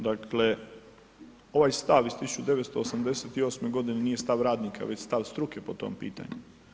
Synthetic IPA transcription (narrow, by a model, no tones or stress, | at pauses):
d̪akʰle̞ | o̞ʋajst̪aʋizst̪isu̥t͡ʃud̪eʋet̪st̪o̞ːsamd̪e̞set̪io̞ːsme̞ɡo̞d̪ineniːje̞st̪aʋɾaːd̪nikʰa̰ʋe̞t͡ɕst̪aʋst̪ɾukepo̞t̪o̰mpḭːt̪a̰ɲu